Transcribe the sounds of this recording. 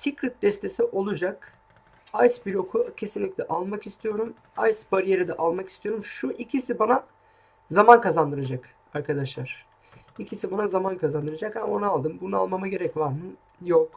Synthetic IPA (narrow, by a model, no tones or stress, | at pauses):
sikɾit̪̚d̪ɛst̪ʰe̞siʔo̞lˠud͡ʒak | ajsbiɾo̞kʰucʰe̞sinlʲiclʲɛʔalˠmakist̪ʰijo̞ɾum | ajsbaɾije̞ɾid̪ɛʔalˠmaki̥st̪ʰijo̞ɾumʃuʔicʰisibana | zamankazand̪ɯɾad͡ʒak | aɾkʰad̪aʃlˠaɾ̥ | icʰisibanazamankʰazand̪ɯɾad͡ʒakhamo̞nualˠd̪ɯmbunua̰lˠmamaɟe̞ɾɛcvaɾmɯ | jok